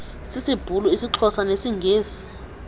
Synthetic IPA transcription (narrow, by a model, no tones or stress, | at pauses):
sisib̥ʱuluisiǁʰɔsanesiŋɡʱeːsi̥